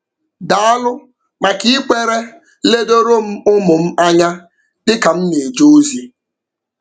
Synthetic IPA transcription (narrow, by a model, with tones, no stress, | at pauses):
da˨a˦lʊ˦ | ma˨ki˦ɪ˦kʷe˨ɾe˦ | le˦do˦ɾo˦m̩˦ʊ˦mʊ˨m̩˦a˦ɲa˦ | dɪ˦ka˨m̩˦ne˨d͡ʒo˦u˦zi˦